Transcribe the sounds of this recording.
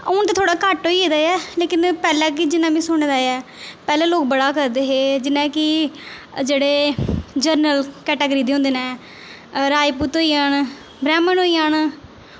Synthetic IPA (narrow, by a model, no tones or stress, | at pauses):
ʊnt̪aːt̪ʰoːɽaːkəʈoːiːeːd̪aːjɛːleːkɪnpɛːlɛ̃ːk̬ɪd͡ʒɪnãːmĩːsʊɳːd̪aːɛː | pɛːlɛ̃ːloːkbəɽaːkəɾd̪eːɦeːd͡ʒɪnãːkɪ | d͡ʒeːɽeːd͡ʒəɾnəlkɛːʈəːɡɾiːd̪eːõnd̪eːnɛ̃ː | ɾaːiːpuːt̪ɦoːiːaːn | bɾɛːmənoːiːaːn